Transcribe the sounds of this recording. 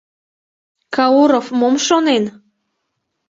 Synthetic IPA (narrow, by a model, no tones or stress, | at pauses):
kɑuɾofmomʃonen